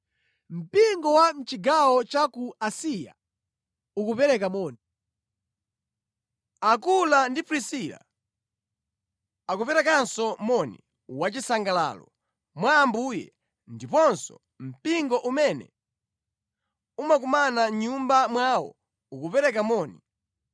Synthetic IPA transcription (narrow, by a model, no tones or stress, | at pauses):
m̩piŋɡɔwam̩t͡ʃiɡawɔt͡ʃakuasija̰ | ukupɛɾɛkamɔːni | akulandipɾisila̰ | akupɛɾɛkansɔmɔnḭ | wat͡ʃisaŋɡala̰ːlɔ | mwaːmbuːjɛ̰ | ndipɔnsɔ̰ | m̩piŋɡɔʔumɛnɛ̰ | umak̬umanaɲumbamwawɔ̰ | ukupɛɾɛkamɔːni